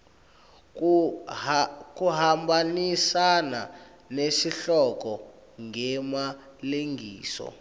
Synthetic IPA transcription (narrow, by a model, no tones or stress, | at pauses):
k̬uɦambanisana̰ | nesiɬɔkɔ | ŋɡɛma | leŋɡʱḭːsɔ̰